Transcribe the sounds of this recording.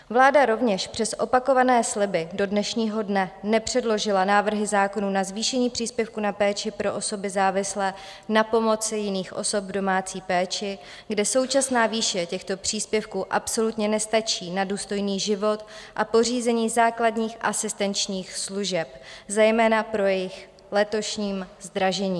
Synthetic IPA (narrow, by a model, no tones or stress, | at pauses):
vlaːdaɾo̞vɲɛʃpr̝̥ɛsʔo̞pako̞vanɛːslɪbɪdo̞dnɛʃɲiːɦo̞dnɛnɛpr̝̥ɛdlo̞ʒɪlanaːvr̩ɦɪzaːko̞nunazviːʃɛɲiːpr̝̥iːspjɛfkunapɛːt͡ʃɪpɾo̞ʔo̞so̞bɪzaːvɪslɛː | napo̞mo̞t͡sɪjɪniːxʔo̞̰so̞bvdo̞maːt͡siːpɛːt͡ʃɪ | ɡdɛso̞wt͡ʃasnaːviːʃɛcɛxt̪o̞pr̝̥iːspjɛfkuːʔapso̞lut̪ɲɛnɛst̪at͡ʃiːnaduːst̪o̞jniːʒɪvo̞t̪ʔapo̞r̝iːzɛɲiːzaːkladɲiːxʔasɪst̪ɛnt͡ʃɲiːxsluʒɛp̚zɛjmɛːnapɾo̞jɛjɪx | lɛt̪o̞ʃɲiːmzd̪ɾaʒɛɲiː